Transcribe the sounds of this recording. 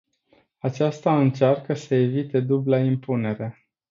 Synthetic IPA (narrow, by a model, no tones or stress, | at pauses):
at͡ʃast̪aɨnt͡ʃarkəsəe̞vit̪e̞d̪ublaimpune̞ɾe